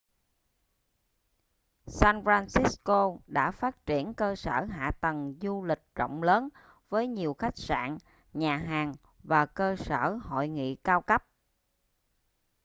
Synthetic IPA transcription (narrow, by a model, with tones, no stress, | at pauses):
saː˧nfɾaː˧nsi˦˥sko˧ɗa̰ː˧˥faː˦˥t̚t͡ɕi˧˩ənkəː˧səː˧˩ɦa̰ː˧˨t̪ə˨˩ŋzu˧lï˨˩k̟̚t͡ɕə̰˧˨wŋ͡mləː˨˦n | vəː˨˦jɲi˨˩əwxa˦˥jk̟̚sa̰ː˧˨n | ɲaː˨˩ɦaː˨˩ŋ | vaː˨˩kəː˧sə̰ː˧˩ho̰˧˨jŋḭ˧˨kaː˧wkə˦˥p̚